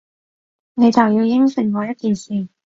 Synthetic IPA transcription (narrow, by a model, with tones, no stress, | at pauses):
ne˨˧jt͡sɐ˨wjiː˧wjɪ˥ŋsɪ˨˩ŋkɔː˨˧jɐ˥t̚kiː˨nsiː˨˩